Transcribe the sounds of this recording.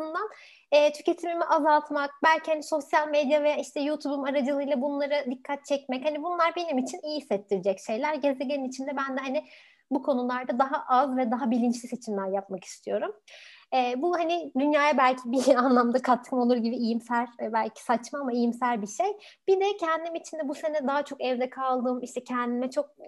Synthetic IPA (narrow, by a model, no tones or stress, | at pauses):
und̪an | ɛːt̪ʰy̥ce̞t̪ʰimimiʔazalˠt̪mak̚bælʲcʰihaniso̞sjalʲmed̪jave̞jaːiʃt̪ʰɛjut̪ʰubumaɾad͡ʒɯlˠɯjlˠabunlˠaɾɯd̪ikʰːat̪̚t͡ʃʰɛcmɛchanibunlˠaɾbe̞nimit͡ʃʰinijiisːɛt̪ʰːiɾid͡ʒɛcʃe̞jlʲæɾɟe̞zeɟeninit͡ʃʰind̪ɛbænd̪ɛɦanɪ | bukʰo̞nulˠaɾd̪ad̪aɦaʔazvɛd̪aɦabilʲint͡ʃlʲise̞t͡ʃʰimlʲæɾjapmaki̥st̪ʰijo̞ɾumɛːbuhanɪd̪ynjaːjabælʲcʰibianlˠamd̪akʰat̪̚ʰɯmo̞lˠuɾɟibiijimsæɾbælʲcʰi̥sat͡ʃmaːmaijimsælʲbiʃejb̥id̪ɛcʰɛnd̪imit͡ʃʰind̪ɛbuse̞nɛd̪aɦat͡ʃʰo̞kɛvd̪ɛkʰalˠd̪ɯːmiʃt̪ʰɛcʰɛnd̪imɛt͡ʃʰo̞k̚